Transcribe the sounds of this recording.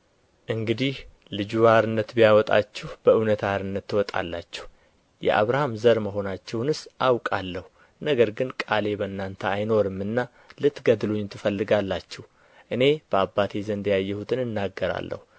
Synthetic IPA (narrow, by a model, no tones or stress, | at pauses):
ʔɨŋɡɨd̪ih | lɨd͡ʒuaɾɨnːət̪bijawɔt̪ʼa̰t͡ʃːɛhb̥əɨwnət̪ʰaɾɨnːət̪ːɨwɔt̪ʼa̰lːa̰t͡ʃːɛ̥h | jɛ̰ʔa̰βɾahamzəɾməɦo̞nat͡ʃːɛwnɨsʔawkʼalːəhu | nəɡəɾɡɨnkʼale̞bənːant̪ʰəajno̞ɾɨmːɨnːa | lɨt̪ɡəd̪ɨlo̞ɲːt̪ʰːɨfəlːɨɡalːat͡ʃːɛh | ʔɨne̞b̥əabːat̪ʰezənd̪əjajːɛhut̪ʰɨnɨnːaɡːəɾa̰lːə̰hu